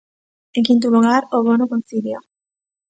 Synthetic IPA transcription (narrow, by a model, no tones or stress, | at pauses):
eŋkint̪̬uluɣ̞aɾoβonokonsilja